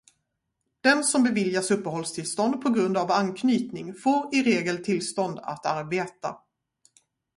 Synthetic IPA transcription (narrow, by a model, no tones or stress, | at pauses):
d̪̥ɛnsɔmbɛvɪljasɵpːəɦɔlst̪ʰɪlst̪ɔnd̪̚pʰɔɡɾɵnd̪avankʰnyːt̪nɪŋfoːɾɪɾeːɡəlt̪ʰɪlst̪ɔnd̪a̰t̪aɾbeːt̪a̰